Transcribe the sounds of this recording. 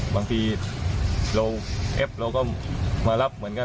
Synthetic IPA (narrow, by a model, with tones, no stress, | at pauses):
baː˧ŋt̪ʰiː˧ | ɾa˧wʔɛ˦˥p̚ɾa˧wkɔː˥˩maː˧la˦˥˩p̚mɯ˩˦ənka˧˩